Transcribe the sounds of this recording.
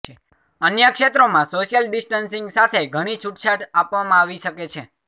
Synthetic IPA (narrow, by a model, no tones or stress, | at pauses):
ənjəkʃet̪ɾomãsoʃjəlɖisʈənsiŋɡsat̪ʰeɡʱəɽ̃it͡ʃʰuʈt͡ʃʰaʈapʋamãaʋiʃəket͡ʃʰe